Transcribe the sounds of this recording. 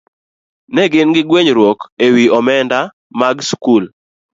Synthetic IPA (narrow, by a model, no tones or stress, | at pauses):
nɛɡɪnɡɪɡweɲɾwokewiɔmɛnda | maɡskul